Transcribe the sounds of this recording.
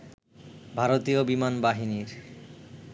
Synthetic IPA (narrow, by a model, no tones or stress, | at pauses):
bʱaɾot̪iobimanbaɦiniɾ